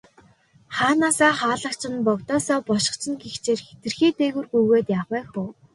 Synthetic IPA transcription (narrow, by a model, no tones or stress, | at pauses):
χaːnaːsaːχaːɮə̆kt͡ɕʰɪ̆npɔkt̪ɔːsɔːpɔʃɪ̥̆χt͡ɕʰɪ̆nɡixt͡ɕeːrxe̥t̪ɘ̆rxiːt̪eːɣŭrɡujɣeːt̪jaʁæːxʊː